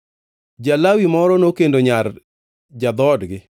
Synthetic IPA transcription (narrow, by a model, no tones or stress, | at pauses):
d͡ʒalawimɔɾɔnokendoɲar | d͡ʒad̪ɔdɡɪ